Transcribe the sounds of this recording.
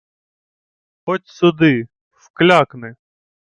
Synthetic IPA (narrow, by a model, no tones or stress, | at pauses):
xɔtʲsʊd̪ɪ | wklʲaknɪ